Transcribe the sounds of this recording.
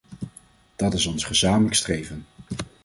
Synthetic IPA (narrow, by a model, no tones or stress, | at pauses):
d̥ɑtɪsɔnsχəzaːmələkstrejvən